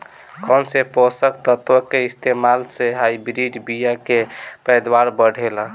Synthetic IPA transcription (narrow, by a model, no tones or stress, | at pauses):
kʰɔnsepɔsək̚t̪ət̪wəkeist̪ʰemalseɦaibɾiɖbijakepəjd̪waɾbəɽʱelə